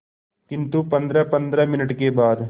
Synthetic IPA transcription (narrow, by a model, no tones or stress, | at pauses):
kɪ̃nt̪upɐ̃nd̪ɾɛpə̃nd̪ɾɛmɪnəʈkebaːd̪